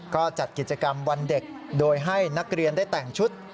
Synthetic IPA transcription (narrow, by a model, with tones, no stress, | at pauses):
kɔː˥˩t͡ɕa˨˩t̪̚ki˨˩t̪̚t͡ɕa˧ka˧mwa˧nde˨˩k̚ | doː˧jɦa˥˩jna˦˥k̚ɾi˧əndaː˥˩jt̪ɛː˨˩ŋt͡ɕʰu˦˥t̪̚